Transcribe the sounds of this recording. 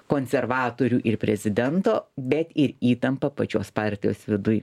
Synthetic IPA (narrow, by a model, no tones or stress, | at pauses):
koːnʲsʲɛrʋɑːt̪oːɾʲuːʔɪrpʲɾʲɛzʲɪd̪ʲɛnt̪oːbʲɛt̪ɪɾiːt̪ɐmpɐpɐt͡ʃʲoːspɑˑɾʲt̪ʲɪjoːsʋʲɪd̪ʊj